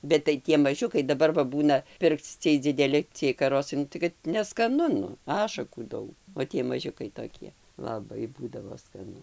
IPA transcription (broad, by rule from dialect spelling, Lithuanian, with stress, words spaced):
bʲɛt tɐɪ ˈtʲiɛ mɐˈʒʲʊkɐɪ dɐˈbɐr ʋɐ ˈbuːnɐ ˈpʲɪrkt͡s ˈt͡sʲiɛj d͡zʲɪdʲɛˈlʲɪ t͡sʲiɛj kɐˈroːsɐɪ ˈnʊ tɐɪ kɐt nʲɛskɐˈnʊ ˈɑːʃɐkuː ˈdɐʊk oː ˈtʲiɛ mɐˈʒʲʊkɐɪ toːˈkʲiɛ lˠɐˈbɐɪ ˈbuːdɐʋoː skɐˈnʊ